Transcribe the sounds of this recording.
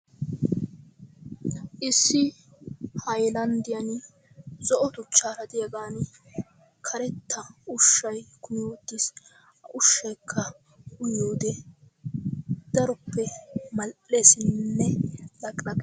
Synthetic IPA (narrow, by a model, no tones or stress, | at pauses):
ʔɪsːɪ | hɐjlɐnd̪ɪjɐn | zɔʔɔt̪ʊt͡ʃːaːɾɐd̪ɪjɐɡaːn | kʰɐɾɛt̪ʰːɐʊʃːɐjkʊnjoːd̪ːis | ɐʔʊʃːɐjkʰːɐ | ʊjoːd̪ɛ | d̪̥ɐɾʊpʰːɛmɐlʔe̞ːsɪnnːɛlɐkʼlɐɡʼ